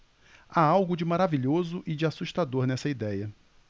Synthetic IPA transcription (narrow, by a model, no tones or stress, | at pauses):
aawɡʊd͡ʒɪmaɾaviʎozʊʔɪd͡ʒɪasuʃt̪ad̪oɾnɛsɐid̪ɛjɐ